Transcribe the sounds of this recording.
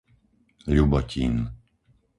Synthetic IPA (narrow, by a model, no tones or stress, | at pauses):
ʎubɔciːn